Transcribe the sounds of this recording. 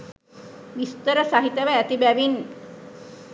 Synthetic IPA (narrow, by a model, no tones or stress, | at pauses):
ʋist̪əɾəsaɦit̪aʋaæt̪ibæʋin